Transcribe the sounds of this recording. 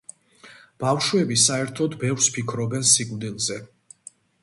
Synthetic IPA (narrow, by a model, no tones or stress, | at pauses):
b̥afʃwɛbisaɛɾt̪ʰɔd̪bɛfɾspʰikʰɾɔbɛnsikʼmd̪ilˠzɛ